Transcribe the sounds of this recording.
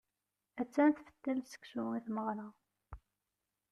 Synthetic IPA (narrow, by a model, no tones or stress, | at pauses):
æt͡sːænθfə̥t̪ːælsə̥ksʊiθməʁla